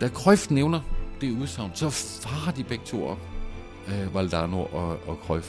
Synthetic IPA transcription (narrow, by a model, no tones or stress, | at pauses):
d̥ækʰʁɒfd̥neʊnɐd̥e̝æuðˠsɑ̈ʊ̰nd̥sɒ̽fɑ̈ːɐd̥ib̥eɡ̥̚t͡sʰo̝̰ːɒ̽b̥̚ | ʋæld̥ɑ̈ːnoɐʔɒɒ̽kʰʁɒf